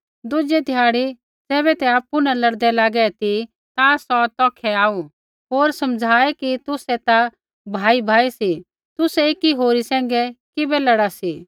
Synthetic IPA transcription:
d̪ʊd͡ʒɛd̪ʱijaːɽi | d͡zɛːβɛt̪ɛaːpːunalɐɽd̪ɛlaːɡɛt̪i | t̪asɔt̪ɔːkʰɛaːu | ɦoːɾsɐ̃md͡zʱaːɛkit̪ʊsɛt̪a | bʱaːibʱaːisi | t̪ʊsɛeːkiɦoːɾisɛ̃ːŋ̆ɡɛkɪbɛlɐɽasi

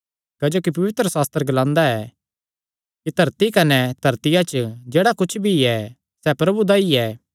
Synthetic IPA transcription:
kɐd͡ʒoːkipɐʋɪt̪ɾəsaːst̪əɾəɡɐlãːnd̪aɛ | kit̪ɐɾt̪ikɐnɛd̪̥ʱɐɾt̪ɪjat͡ʃəd͡ʒeːɽakʊt͡ʃʰbʱiɛ | sɛpɾɐbud̪aiɛː

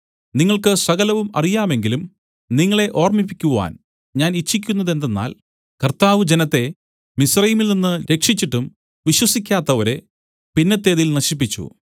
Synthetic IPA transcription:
niŋːɐɭkɨsɐɣɐlɐʋumɐ̰rijaːme̞ŋɡilum | niŋːɐɭe̞ʔo̞ːrmipːikʲːuʋa̰ːn | ɲaːnit͡ɕːikʲːunːɐðe̞nd̪enːa̰ːl | kɐrt̪aːʋɨd͡ʑe̞nɐt̪ːe̞ | misrɐjimilninːɨɾe̞kʂit͡ɕːiʈːum | ʋiɕwɐsikʲːaːt̪ːɐʋɐɾe̞ | pinːɐt̪ːe̞ːðilnɐɕip̬ːit͡ɕːṵ

